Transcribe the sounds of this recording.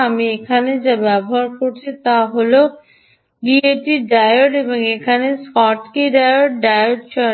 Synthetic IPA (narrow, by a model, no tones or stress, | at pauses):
amiekʰaned͡ʑabɛboɦaɾkoɾt͡ɕʰit̪aɦolo | bieʈiɖajoʈeboŋekʰaneskɔʈkiɖajoʈɖajoʈt͡ɕɔ